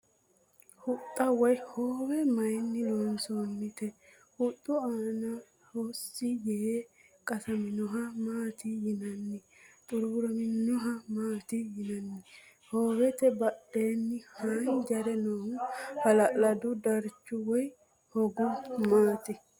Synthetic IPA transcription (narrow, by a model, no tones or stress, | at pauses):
hʊt̪ʼːɐwɔjhoːwɛmɐjnːɪnoːnsonːɪt̪ɛ | hʊt̪ʼːʊaːna | hoːsːɪjɛekʼɐsɐmɪnɔɦɐmaːt̪ɪhɪnɐnːɪ | t̪ʼʊɾɾɐmɪnːɔɦɐmaːt̪ɪhɪnɐnːɪ | hoːwɛt̪ɛbɐɗːe̞ːnːɪhaːnd͡ʒɐɾɛnoːŋhɐlɐlɐd̪ʊd̪ɐɾt͡ʃːʊwɔj | hɔɡɔmaːt̪ɛ